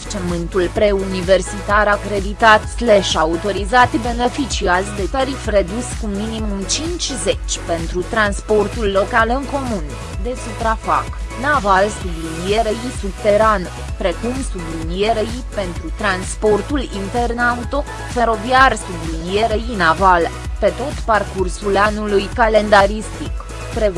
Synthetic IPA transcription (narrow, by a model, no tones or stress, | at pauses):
t͡ʃemɨnt̪ulpɾe̞unive̞rsit̪aɾakɾe̞d̪it̪at̪sleʃaut̪o̞ɾizat̪be̞ne̞fit͡ʃiazd̪e̞t̪aɾifre̞d̪uskuminimumt͡ʃint͡ʃʲze̞t͡ʃʲpe̞nt̪ɾut̪ɾanspo̞rt̪ulːo̞kalɨŋko̞mun | d̪e̞supɾafaknavalsublinijeɾeisubt̪e̞ɾan | pɾe̞kumsublinijeɾeipe̞nt̪ɾut̪ɾanspo̞rt̪ulint̪e̞rnaut̪o̞ | fe̞ɾo̞viarsublinijeɾeinavalpe̞t̪o̞t̪parkursulanulujkale̞nd̪aɾist̪ik | pɾe